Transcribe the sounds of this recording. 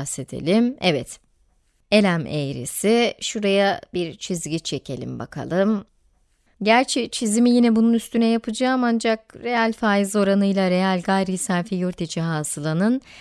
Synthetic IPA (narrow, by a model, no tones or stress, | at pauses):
se̞d̪ʰḛlʲimɛvɛt̪ | e̞lʲæmejɾḭsiʃuɾajabiɾt͡ʃʰizɟit͡ʃʰe̞cʰe̞lʲḭmba̰kʰa̰lˠɯm | ɟæɾt͡ʃʰɛt͡ʃʰizimijinɛbununyst̪ʰynɛjapʰɯd͡ʒaːmand͡ʒak̚ɾe̞jalʲfaːjizo̞ɾanɯjlˠaɾe̞jalʲɡajɾisaɾfijoɾt̪ʰit͡ʃiɦaːsɯlˠanɯn